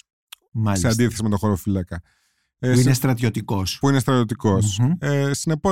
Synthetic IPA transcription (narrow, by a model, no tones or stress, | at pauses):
masseɐnd̪iθe̞simet̪oxoɾofilɐkɐ | inest̪ɾɐt̪jot̪ikospuinest̪ɾɐt̪jo̞t̪iko̞sesine̞po